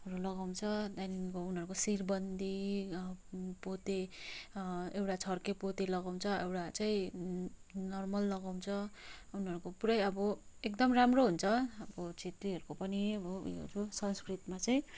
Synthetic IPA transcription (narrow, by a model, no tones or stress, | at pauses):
ʌɾulʌɡaw̃t͡sʰʌd̪anikounɦʌɾukosirbʌnd̪ʱi | pot̪e | ewʈat͡sʰʌrkepot̪elʌɡaw̃t͡sʰʌewʈat͡saĩ | nʌrmʌlːʌɡaw̃nt͡sʰʌ | unɦʌɾukopuɾʌjʌbʌekd̪ʌmramroɦunt͡sʰʌʌbʌt͡sʰet̪riɦʌɾukopʌniʌbʌṵjo̰d͡zusʌnskrit̪mat͡saĩ